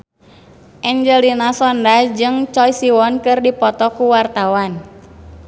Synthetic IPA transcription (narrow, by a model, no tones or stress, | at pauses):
ʔɛɲd͡ʒəlinasɔndad͡ʒɨŋt͡ʃɔjsiwɔnkɨrdipɔt̪ɔkuwart̪awan